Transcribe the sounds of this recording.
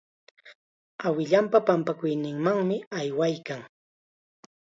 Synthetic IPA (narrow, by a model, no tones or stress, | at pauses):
awɪʎampapampakʊjnɪŋmaŋmɪajwajkaŋ